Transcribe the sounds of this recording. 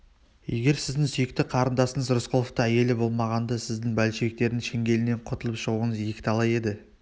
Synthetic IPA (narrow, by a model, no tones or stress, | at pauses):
je̞̰ɡʲe̞ɾsɪzd̪ɪŋsʏjɪk̚t̪ɪqʰɑɾənd̪ɑsəɴəzɾʊsqʰolˠoft̪əæje̞lɪbo̞lˠmɑʁɑnd̪ɑsɪzd̪ɪŋbælʃek̚t̪e̞ɾd̪ɪŋʃeŋɡʲe̞lɪne̞ɴqʰot̪əlˠəpʃəʁuəɴəzje̞kʲɪ̥t̪ɑlˠɑje̞d̪ɪ